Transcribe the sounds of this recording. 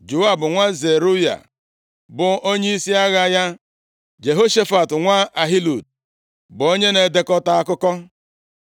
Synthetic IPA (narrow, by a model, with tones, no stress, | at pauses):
d͡ʒu˨a˦bʊ˨ŋʷa˦ze˨ɾu˦ja̰˨ | bʊ˨o˦ɲe˦i˦si˦a˦ɣa˦ja˦ | d͡ʒe˨ɦo˦ʃe˦fa˨tŋʷa˦ʔa˨ɦi˦lu˨d̚ | bo˦ɲe˦ne˨de˦kɔ˦ta˦a˦kʊ˦kɔ˦